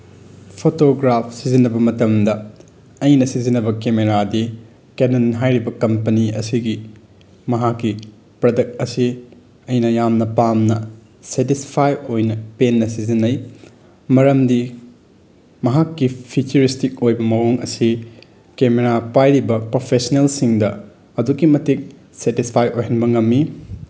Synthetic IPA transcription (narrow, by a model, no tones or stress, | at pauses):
pʰotoɡɾap̚ʰsizinːɐbɐmɐtɐmdɐ | ɐjnɐsizinɐbɐkemeɾadi | kenɐnɦajɾibɐkɐmpɐniɐ̰siɡi | mɐɦakːi | pɾɐdɐk̚t̚ɐsi | ɐjnɐjamnɐpamnɐ | setispʰajojnɐpenːɐsizinːɐj | mɐɾɐmdi | mɐɦakːipʰit͡ʃɐɾistik̚ojbɐmɐwoŋɐ̰si | kemeɾapajɾibɐpɾopʰesɐnelsiŋdɐ | ɐduɡimɐtik̚ | setispʰajojɦɐnbɐŋɐmːi